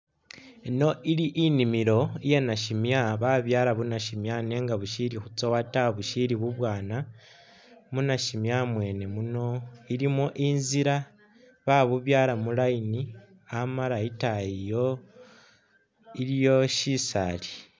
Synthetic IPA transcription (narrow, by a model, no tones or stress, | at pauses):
ino̞ʔiɾiʔinimiɾo̞ije̞naʃimjaβaβjaːɾaβunaʃimjane̞ːŋɡaβuʃiɾixut͡sowataβuʃiɾiβuβwaːna | munaʃimjamwe̞ːne̞muno̞iɾimoʔinziɾa | βaβuβjaːɾamulaini | amalaitajijo̞ | iɾijo̞ʃisali